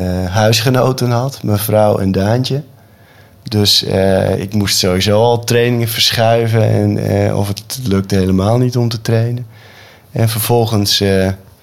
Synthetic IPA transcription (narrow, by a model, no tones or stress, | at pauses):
ɦœɥsχənowtənɦɑtmɛjfrawɛ̰ndaːntə | døsəɪ̰kmustsowizoːɔlˠtrejnɪŋəfərsχɛɥvəɛ̰nɔ̰fəttløk̚thejləmaːlˠnitɔmtətreːnən | ɛnfərv̥ɔlˠχənsə